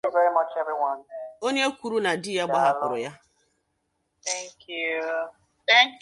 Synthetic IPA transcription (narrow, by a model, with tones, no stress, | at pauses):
vɛ˦ɾi˦mʌ˦t͡ʃɛ˦vi˦wɔ̃˦no˦ɲe˦o˦kʷu˨ɾu˦na˨dɪ˦ja˦ɡ͡ba˨a˦lʊ˨ɾʊ˨ja˦ | t̪ɛ˦ŋkʰju˦ | tɛ˦ŋk